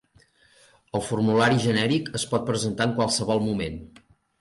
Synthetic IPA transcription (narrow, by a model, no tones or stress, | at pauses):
əlˠfurmulaɾiʒənɛɾikəspɔt̪̚pɾəzənt̪aəŋkwalˠsəβɔlˠmumen